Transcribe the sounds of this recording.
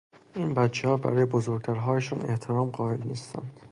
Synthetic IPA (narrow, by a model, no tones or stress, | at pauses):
ʔiːnbætt͡ʃʰːehɒːbæ̰ɾɒːjebozoɾɡ̚t̪ʰæɾɦɒːjeʃɒːne̞ht̪ʰeɾɒːmɢɒːelniːst̪æ̰nd̪̥